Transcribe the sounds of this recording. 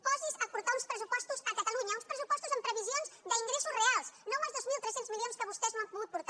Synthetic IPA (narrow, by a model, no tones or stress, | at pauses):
pɔzizɐpuɾt̪aɾũspɾəsupɔst̪uzɐkɐt̪ɐlˠuɲɐũspɾəsupɔst̪uzɐ̃mpɾəβizjõnzðɐiŋɡɾɛsurealˠsnɐ̃w̃mazðozmilˠt̪ɾɛsẽnt̪uzmilˠjõnskɐβɔst̪ɛznw̃ɐ̃puðuðpuɾt̪a